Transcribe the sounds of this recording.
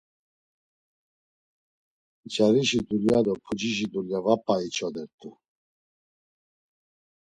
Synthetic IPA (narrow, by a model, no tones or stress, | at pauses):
d͡ʒaɾiʃid̪uljad̪ɔpʰud͡ʒiʃid̪uljavapʼːait͡ʃʰɔd̪ɛɾt̪ʰʼu